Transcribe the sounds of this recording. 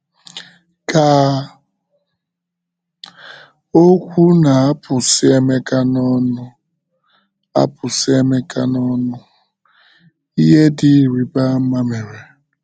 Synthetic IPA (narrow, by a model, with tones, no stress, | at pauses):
ka˨ | o˦kʷu˦na˨a˦pʊ˨sɪ˦e˦me˦ka˦nɔ˦nʊ˦ | a̰˦pʊ˨sɪ˦e˦me˦ka˦nɔ˦nʊ˦ | i˦ɦe˦dɪ˦˨ɾi˨ba˦m̩˦ma˦me˨ɾe˨